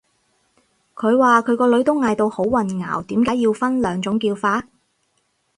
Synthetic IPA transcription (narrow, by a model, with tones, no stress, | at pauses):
kʰɵ˨˧ɥwaː˨kʰɵ˨˧ɥkɔː˧lɵ˨˥ɥt̪ʊ˥wŋaː˨˧jt̪o˧who˨˥wwɐ˨nŋa̰ː˨˩wt̪iː˨˥mkaː˨˥jiː˧wfɐ˥nlœː˨˧ŋt͡sʊ˨˥ŋkiː˧wfaː˧t̚